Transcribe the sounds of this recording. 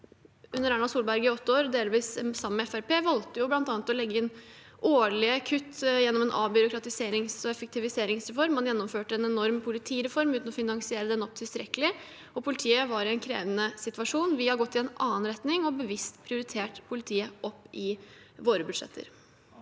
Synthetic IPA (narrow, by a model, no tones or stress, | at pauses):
ʉnːəɾæːɳɑsuːlbæɾɡəɪɔt̪ːəoːɾd̪eːlʋiːssɑmːəmɛɛfæɾpeːʋɑlt̪əjʊblɑnt̪ɑːnət̪ɔlɛɡːəɪn | oːɭɪkʰʉt̪ːjɛnːɔmɛnʔɑ̰ːbʏɾʊkɾɑt̪ɪseːɾɪŋsɔɛfɛk̚t̪ɪʋɪseːɾɪŋsɾɛfɔɾmːɑnjɛnːɔmføːʈəɛnɛnɔɾmpʰʊlɪt̪ʰiːɾɛfɔɾmʉːt̪nɔfɪnɑŋsɪeːɾəd̪ɛnɔp̚t̪ʰɪlst̪ɾɛkəlɪ | ɔpʰʊlɪt̪ʰiːəʋɑɾɪɛnkʰɾḛːʋənəsɪt̪ʋɑʂuːnʋɪhɑɡɔt̪ːɪɛnɑːənɾɛt̪nɪŋɔbəʋɪst̪pʰɾɪʊɾɪt̪ʰeːʈpʰʊlɪt̪ʰiːəʔɔpːɪ | ʋoːɾəbʉd̪ʂɛ̰t̪ʰːə̰ɾ